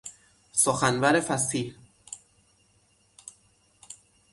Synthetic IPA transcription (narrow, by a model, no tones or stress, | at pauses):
soxænvæɾe̞fæsiːl